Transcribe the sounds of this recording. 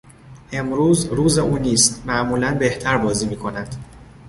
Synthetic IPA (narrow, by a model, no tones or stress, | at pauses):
ʔe̞mɾuːzɾuːzeʔuːniːst̪mæʔmuːlænbe̞ht̪ʰæɾbɒːziːmiːkʰo̞næd̪̥